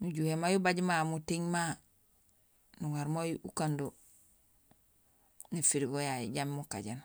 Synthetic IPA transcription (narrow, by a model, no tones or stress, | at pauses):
nuɟuhemajubaɟmamutiɲma | nuŋaɾmojukando | nifiɾiɡojajiɟammuka̰ɟan